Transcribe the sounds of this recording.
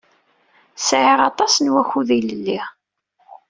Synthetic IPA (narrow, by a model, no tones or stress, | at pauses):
sʕiʁɑt̪ˤɑsnwæçuðiləlːi